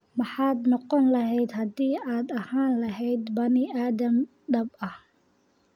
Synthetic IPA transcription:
mɑħɑːd̪nɔqɔnlɐɦɛjd̪hɐd̪iːaːd̪ɐhaːnlɐɦɛjd̪bɐnɪʔaːd̪ɐm | ɖɐbɐh

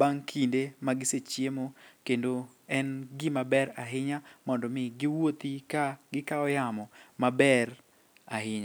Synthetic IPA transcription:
baŋkʰindemaɡɪset͡ʃjemokendo | ɛnɡɪmabɛɾaɦɪɲamɔndɔmɪɡɪwot̪ikaɡɪkaɔjamɔmabɛɾ | aɦɪɲa

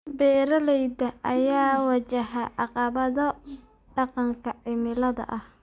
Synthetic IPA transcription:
bɛːɾɐlɛjd̪ɐʔɐjaːwɐt͡ʃɐɦɐʔɑqɑβɐðɔ | ɖɑqɑŋkʰɐʕɪmɪlɐðɐ̰ʔɐh

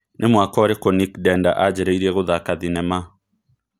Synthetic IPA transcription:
nʔemwakɔɾekonikdɛnda̰ʔad͡ʒɛɾɛiɾiɛɣoðakaðinɛma

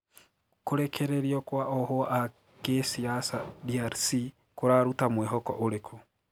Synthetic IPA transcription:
koɾɛkʰɛɾeɾjɔkwaʔɔhɔʔa | kesiasadiaɾsi | koɾaɾutamwɛɦɔkɔ̰ʔoɾekʰu

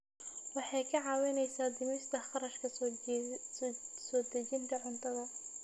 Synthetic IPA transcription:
wɑħɑjkʰɐʕɑːwɪnɛjsaːd̪ɪmɪst̪ʰɐχɑɾɐʃkʰɐ | sɔːd̪ɐt͡ʃɪŋk̪ʰɐʕʊnt̪ʰɐðɐ

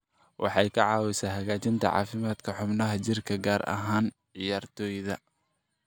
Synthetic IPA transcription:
wʔɑ̰ħɑjkʰɐʕɑːwɪsaːɦɐɣaːt͡ʃɪnt̪ʰɐ̰ʕɑ̰ːfɪmaːd̪kʰɐħʊbnɐɦɐt͡ʃɪrkʰɐɡaːɾɐ̰ɦaːn | ʕɪjaːrt̪ʰɔːjðɐ

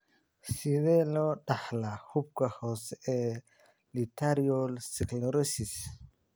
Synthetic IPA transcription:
siβɛlɔɗaħlahub̚kahɔːsɛ | lit̪ʰaɾiɔlsiklɔɾɔsis

